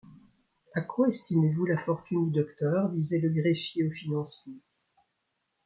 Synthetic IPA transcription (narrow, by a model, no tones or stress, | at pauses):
akwaɛst̪imevulafɔʁt̪ynd̪yd̪ɔkt̪œʁd̪izɛləɡʁefjeofinɑ̃sjɑ̃